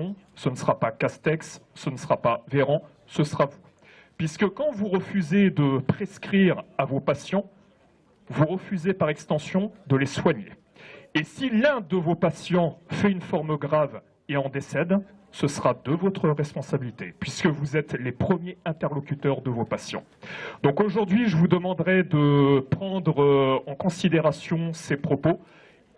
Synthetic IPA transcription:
ɔ̃sənsəʁapakast̪ɛksːənsəʁapaveʁɑ̃ | səsəʁavu | pɥiskəkɑ̃vuʁəfyzed̪əpχeskχiʁavopasjɑ̃ | vuʁəfyzepaʁɛkst̪ɑ̃sjɔ̃d̪əleswaɲḛː | silɛ̃d̪əvopasjɑ̃fɛynfɔʁmɡʁav | eɑ̃d̪esɛd̪ | səsəʁad̪əvɔt̪χəʁɛspɔ̃sabilit̪epɥiskəvuzɛt̪lepχəmjeɛ̃t̪ɛʁlɔkʲyt̪œʁd̪əvopasjɑ̰̃ | d̪ɔ̃koʒuʁd̪ɥiʒəvud̪əmɑ̃d̪ʁɛd̪əpχɑ̃d̪ʁɑ̃kɔ̃sid̪eʁasjɔ̃sepχɔpo

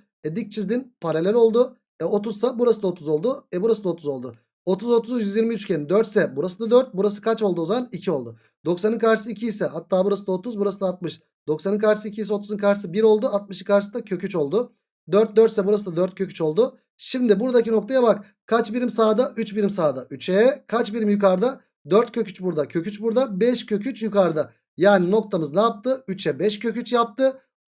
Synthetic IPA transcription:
ɛd̪ic̚t͡ʃʰizd̪inpʰaɾalʲɛlʲo̞lˠd̪ʊ | ɛo̞t̪ʰuz̥sabuɾasɯd̪aot̪ʰuzo̞lˠd̪ʊɛbuɾasɯd̪aot̪ʰuzo̞lˠd̪ʊ | o̞t̪ʰuzo̞t̪ʰuzjyzjiɾmiyt͡ʃcʰɛnd̪øɾt̪sɛbuɾasɯnd̪ad̪øɾt̪̚buɾasɯ̥kʰat͡ʃo̞lˠd̪uozamanicʰio̞lˠd̪ʊ | d̪̥o̞ksanɯnkʰaɾʃɯsɯicʰiːsɛhat̪ʰːaːbuɾasɯd̪aot̪ʰuzbuɾasɯnd̪aːt̪̚mɯʃ | d̪̥o̞ksanɯnkʰaɾʃɯ̥sɯicʰijisɛo̞t̪ʰuzɯnkʰaɾʃɯsɯbiɾo̞lˠd̪uat̪̚mɯʃɯ̥kaɾʃɯsɯd̪acʰøcyt͡ʃo̞lˠd̪ʊ | d̪øɾt̪̚d̪øɾt̪sɛbuɾasɯd̪ad̪øɾt̪̚cʰø̞cʲyt͡ʃo̞lˠd̪ʊ | ʃimd̪iɪbuɾd̪acʰino̞k̚t̪ʰajabak | kʰat͡ʃbiɾimsaːd̪aʔyt͡ʃbiɾimsaːd̪aʔyt͡ʃʰɛkʰat͡ʃbiɾimjukaɾd̪a | d̪øɾt̪cʰøcyt͡ʃbuɾd̪acʰø̞cyt͡ʃbuɾd̪abɛʃcʰø̞cʰyt͡ʃjukaɾd̪a | jaːnino̞k̚t̪ʰamɯznaap̚t̪ɯyt͡ʃʰɛbɛʃcʰø̞cyt͡ʃjap̚t̪ɯ

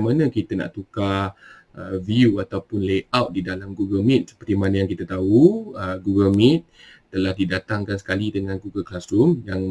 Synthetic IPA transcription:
manə̃kit̪əna̰ʔt̪uka | ʔəviuat̪awpʊnleawt̪̚didalamɡuɡəlmit̪̚sə̥pərt̪imanajaŋkit̪ət̪auəɡuɡəlmit̪̚ː | əlahdidat̪aŋkans̬ə̥kalidəŋãnɡuɡəlklasɾumjaŋ

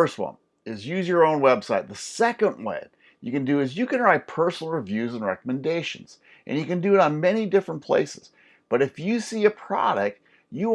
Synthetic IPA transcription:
ə˞st̚wʌ̰̃n | ɪzjʉzjə˞õʊ̃nwɛb̥saɪt̪̚ðəsɛkə̃nʔwɛḛd̚ | jɨ̰kɨ̃ndɨːzjɨkɨ̃nəɹaɪpʰɜ˞sn̩l̩ˠɹivjʉzə̃n̩ɹɛ̰kəmɨ̃ndeɪʃɨ̃n̩z̥ | ʔɨ̰̃njɨkɨ̃ndɨɨɾn̩mɛñidɪfɹə̃npʰl̥ḛɪsɨz̥ | b̥ʌɾɨfjɨsiɨpʰɹ̥ɑ̰ɾɨk̚t̚ | jɨ

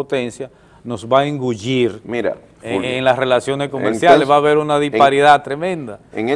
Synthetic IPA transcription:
ot̪e̞nsja | no̞sβaeŋɡuʝiɾmiɾa̰ | eŋlasre̞lasjo̞nesko̞mmeɾsjalesβaβe̞ɾunaðispaaɾiðat̪ɾe̞mẽ̞nd̪aeŋ

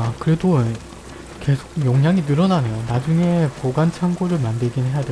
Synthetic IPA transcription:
kɯɾe̞do | ke̞sʰoɡjʌŋɦjaŋinɯɾʌnanejonad͡ʑuŋe̞poɡant͡ɕʰaŋɡoɾɯɭmandɯɭɡinɦe̞jade

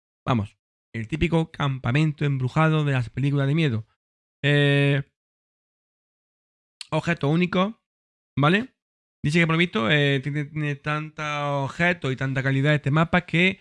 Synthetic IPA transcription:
ba̰mo̞̰s | e̞lt̪ipiko̞kampamẽnt̪oembɾuxað̞oðe̞laspe̞likulazðe̞mje̞ðo | e | oβxe̞t̪ouniko̞ | bale̞ | d̪iθekepoloist̪oet̪jenenet̪ant̪aoβxe̞t̪oit̪ant̪akaliðae̞st̪e̞mapake

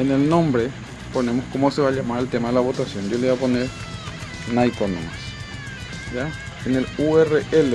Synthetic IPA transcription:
enelnõmbɾe | ponemoskomoseβaʎamaɾelt̪emaðelaβot̪asjo̞nd̪joleβaponeɾ | najkonõ̰mas | ja | eneluereʔele

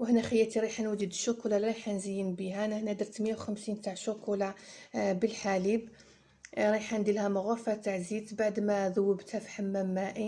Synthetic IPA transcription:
wəhnæxəjːæt̪iɾˤiħanwəd͡ʒ̪əd̪ʃʊkulalɾˤiħanzijːənbihænæhnæd̪əɾˤt̪məjːawxəmsint̪aʕʃʊkulabəlħalib | ɾˤiħand̪ilhæmʊɣʊfæt̪aʕzit̪baʕd̪mæðʊwːəbt̪hæfi̥ħamːæmːæʔi

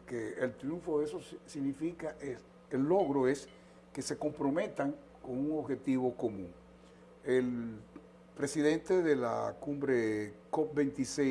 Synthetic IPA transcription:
keelt̪ɾjuɱfo̞ðesossiɣnifikaʔes | elːo̞ɣɾo̞e̞s | kese̞ko̞mpɾo̞me̞t̪aŋ | ko̞ŋuŋoβxe̞t̪iβo̞ko̞mũŋ | el | pɾe̞siðe̞nt̪e̞ðela̰kumbɾekop̚bent̪ise

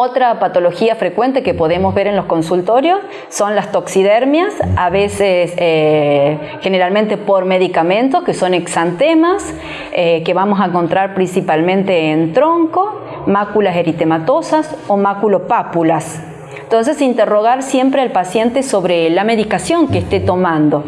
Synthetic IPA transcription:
ot̪ɾapat̪o̞lo̞xiafɾe̞kwe̞nt̪̬e̞kepo̞ðe̞mo̞zβe̞ɾe̞nlo̞sko̞nsult̪o̞ɾjo̞sː | o̞nlast̪o̞ksiðeɾmjasaβesese | xe̞ne̞ɾalmẽnt̪e̞po̞ɾme̞ðikamẽ̞nt̪oskeso̞neksant̪emas | ekeβamos̬aeŋko̞nt̪ɾaɾpɾinsipalmẽ̞nt̪eːnt̪ɾo̞ŋko̞ | makulase̞ɾit̪emat̪o̞sasomakulopapulas | nt̪o̞nse̞sint̪ero̞ɣ̞aɾsje̞mpɾealpasje̞nt̪eso̞βɾelame̞ðikasjo̞ŋkeːst̪et̪o̞mãnd̪o̞

